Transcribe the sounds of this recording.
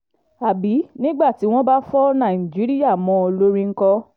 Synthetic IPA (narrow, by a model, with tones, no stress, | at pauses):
a˨bi˨˦nĩ˦ɡ͡ba˦˨ti˨˦w̃ɔ̃˦ba˦fɔ˦nã˨i˨d͡ʒi˨˦ɾi˦ja˦˨mɔ̃˧˦o˧lo˦ɾĩ˧ŋ̩˦kɔ˧